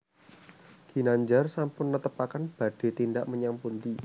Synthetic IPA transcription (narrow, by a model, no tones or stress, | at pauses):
ɡ̥i̤naɲd͡ʒarsampʊnːət̪əpakanb̥a̤ɖ̥e̤t̪indaʔməɲampunt̪i